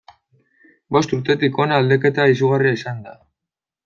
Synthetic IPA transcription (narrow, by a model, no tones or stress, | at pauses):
bo̞st̪uɾt̪e̞t̪iko̞nald̪e̞ke̞t̪aisuɣ̞ariaisand̪a